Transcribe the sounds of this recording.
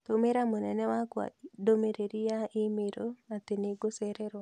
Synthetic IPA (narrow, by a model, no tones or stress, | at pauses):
t̪omeɾamonɛnɛwakwa̰domeɾeɾijaɪmeɾoat̪eneɡoseɾɛɾa